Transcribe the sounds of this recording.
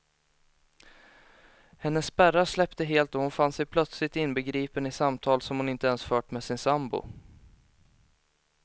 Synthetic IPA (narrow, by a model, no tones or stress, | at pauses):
hɛnːəsːbæɾaʂlɛpt̪əɦeːlt̪ɔhʊnfansɛjpʰlœt̪slɪt̪ɪnbɛɡɾiːpənɪsamt̪ʰɑːlsɔmhʊnɪnt̪əɛnsfœːʈmɛsɪnsambʊ̰